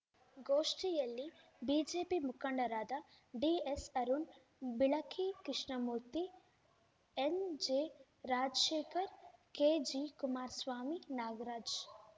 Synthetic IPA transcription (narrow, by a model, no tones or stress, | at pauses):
ɡoːʂʈijɐlːi | biːd͡ʒeːpimukʰɐɳɖɐɾaːd̪a | ɖiesɐɾun | biɭɐkʰikɾɪʂɳɐmuɾt̪i | end͡ʒeː | ɾaːd͡ʒʃeːkʰɐɾkeːd͡ʒikumaːɾsʋaːminaːɡɾaːd͡ʒ